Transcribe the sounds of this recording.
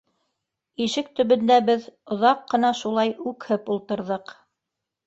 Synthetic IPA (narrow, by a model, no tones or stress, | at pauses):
iʃɘk̚t̪ɵ̆βɵ̆nd̪æbɘðŏðɑqːɤ̆nɑʃulˠɑjʉkhɘpulˠt̪ɤ̆ɾðɤq